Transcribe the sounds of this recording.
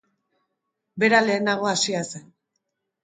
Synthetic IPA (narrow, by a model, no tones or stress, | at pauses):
be̞ɾale̞ːnaɣ̞o̞asiase